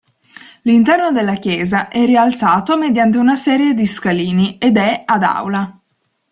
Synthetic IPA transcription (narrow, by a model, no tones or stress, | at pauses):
lint̪ɛrnod̪elːakjɛːzaʔɛrialt̪saːt̪omed̪jant̪̬eunasɛːɾjed̪iskaliːnied̪ɛad̪a̰wla